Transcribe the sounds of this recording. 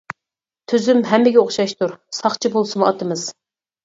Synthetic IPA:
t̪ʰyzymɦɛmːɪɡʲɛoχʃɑʃt̪ʰuɾsɑχt͡ʃʰibolˠsɨmɑt̪ɨmɨz̥

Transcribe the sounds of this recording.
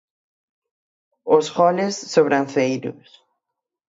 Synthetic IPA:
osɣɔlesːoβɾanθejɾʊ̰s

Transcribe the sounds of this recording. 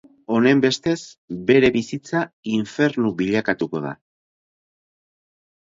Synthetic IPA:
o̞ne̞mbe̞st̪e̞sbe̞ɾe̞βisit͡saiɱfe̞ɾnuβiʎakat̪uko̞ð̞a̰

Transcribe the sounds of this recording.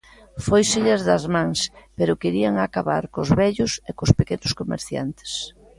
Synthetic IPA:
fojseʎazðɐzmãŋspeɾʊkeɾiaŋakaβa̰ɾkozβɛʎʊsekʊspekenʊskomḛɾθja̰nt̪e̥s

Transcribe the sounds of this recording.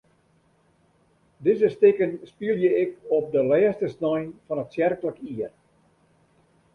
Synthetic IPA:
dɪzəstɪkənspiəlˠjəɪkɔp̚dəlɛːstəsnɔjnfɔnətsjɛrkələkiər

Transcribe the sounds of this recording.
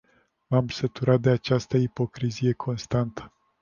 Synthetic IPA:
mamsət̪uɾat̪̚d̪e̞at͡ʃast̪əipo̞kɾizije̞kʰo̞nst̪ant̪ə̥

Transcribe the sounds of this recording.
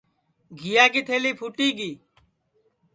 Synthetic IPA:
ɡʱijaːɡit̪ʰeːliːpʰuʈiːɡiː

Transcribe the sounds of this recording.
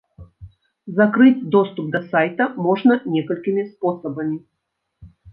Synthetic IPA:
zɐkɾɨtʲd̪ost̪ʊp̚d̪ɐsajt̪ɐmɔʐnɐnʲɛkəlʲkʲɪmʲɪsposəbɐmʲɪ

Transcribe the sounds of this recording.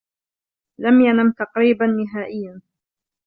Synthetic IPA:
lamjanamt̪ɑqɾiːbanːɪɦaːʔɪjːan

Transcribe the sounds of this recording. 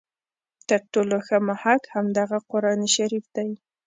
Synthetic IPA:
t̪əɾʈoloxəmahakhamd̪ɑɣaqʊɾɑniʃaɾifd̪aj

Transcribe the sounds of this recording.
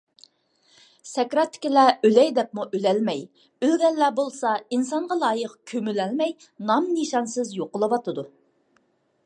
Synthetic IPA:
sɛkʲɾɑt̪ʰːɪ̥kʲilɛølɛjd̪ɛp̚muʔølɛlmɛj | ølɡʲɛlːɛbolˠsɑinsɑɴʁɑlˠɑːjəqkʲʰømylɛlmɛj | nɑmniʃɑnsɨzjoqəlˠɨwɑt̪ʰɨd̪u

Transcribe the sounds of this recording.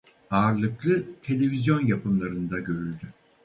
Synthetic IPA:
aːɾlˠɯklˠɯt̪ʰe̞lʲe̞vizjo̞njapʰɯmlˠaɾɯnd̪aɟø̞ɾylʲd̪y

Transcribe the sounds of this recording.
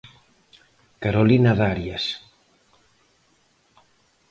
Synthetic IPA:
kaɾolinaðaɾjas

